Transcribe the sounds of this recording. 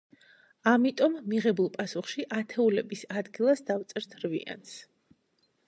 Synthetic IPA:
amit̪ʼɔmːiʁɛbulˠpʼasuχʃiʔat̪ʰɛulɛbisad̪ɡilˠasd̪aft̪sʼɛɾt̪ʰɾvḭa̰ns

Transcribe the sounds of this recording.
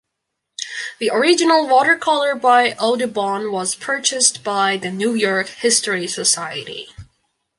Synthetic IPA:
ðiʔə˞ɪd͡ʒɨnl̩ˠwɔɾə˞kʰɔlˠə˞baɪʔoʊdɨbɑ̃nwʌz̥pʰɜ˞t͡ʃɨstb̥aɪðɨnujɔɹkhɪstɹisəsaɪɨ̰ɾḭ

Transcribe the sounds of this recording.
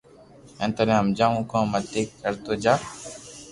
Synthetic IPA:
ẽːnt̪əɾẽːɦəmd͡ʒaːũːkãːmət̪eːkːəɾt̪oːd͡ʒaː

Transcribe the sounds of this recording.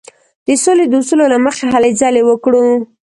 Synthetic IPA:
d̪̥əsoled̪əusulolaməxaɦalezalewəkɽu

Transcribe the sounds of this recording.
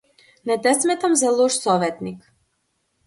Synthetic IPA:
nɛt̪ɛsmɛt̪amzalˠɔʃsɔvɛt̪nik

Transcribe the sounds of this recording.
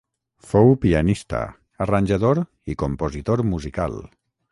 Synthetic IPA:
fowpianist̪a̰ | aranʲʒaðoɾ | ikompozit̪oɾmuzika̰l

